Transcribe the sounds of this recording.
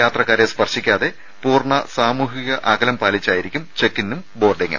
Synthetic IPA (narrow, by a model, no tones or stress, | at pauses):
jaːt̪rɐkːaːɾespɐrɕikʲːaːðe̞ | puːrɳɐsaːmuːɦiɣɐʔɐɡɐlɐmpaːlit͡ɕːaːjiɾikʲːumt͡ɕe̞kːinːumbo̞ːrɖeŋːɐ̰